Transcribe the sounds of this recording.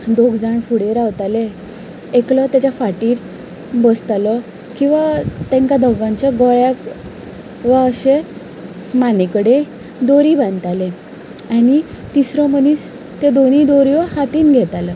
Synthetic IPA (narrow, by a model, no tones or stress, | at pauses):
d̪oɡd͡zaɳfuɽeɾaʋt̪ale | eklɔt̪jat͡ɕafaʈiːɾ | bəst̪alɔ | kĩw̃ʋat̪ɛ̃ŋkad̪ɔɡãɲt͡ɕaɡɔɭjak | ʋaəɕe | manekəɽe | d̪oɾiːbãnt̪ale | ani | t̪isɾɔməniːs | t̪ed̪onid̪oɾjɔhat̪iːnɡʱɛt̪alə